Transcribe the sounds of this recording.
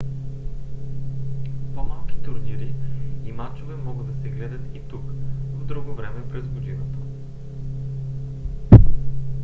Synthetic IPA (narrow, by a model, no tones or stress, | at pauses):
pɔmalˠkʲi̥t̪uɾniɾiimat͡ʃovɛmɔɡəd̪d̪ɐsɛɡlɛd̪ɐt̪it̪ukvod̪ɾuɡovɾɛmɛpɾɛzɡod̪inot̪ə